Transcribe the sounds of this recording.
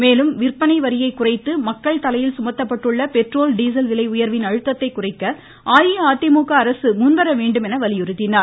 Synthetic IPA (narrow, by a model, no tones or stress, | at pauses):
meːlɯmʋɪrpːɐnɐɪʋɐɾɪjɐɪkːʊrɐɪt̪ːɯmɐkːɐɭt̪ɐlɐjɪlsʊmɐt̪ːɐpːɐʈːɯɭːɐpɛʈroːlɖiːs̬ɐlʋɪlɐɪʊjɐɾʋɪnɐɻɯt̪ːɐt̪ːɐɪkːʊrɐɪkːɐ | ʔaːjiaːt̪ːɪmuːkɐːɾɐsɯmʊnʋɐɾɐʋeːɳɖɯmɛnɐʋɐlɪjʊɾɯt̪ːɪnːaː